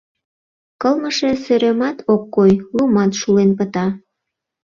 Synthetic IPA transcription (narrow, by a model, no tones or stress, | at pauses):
kəlməʃesøɾemɑt̪ʰokːojlumɑt̪ʃulenpə̆t̪ɑ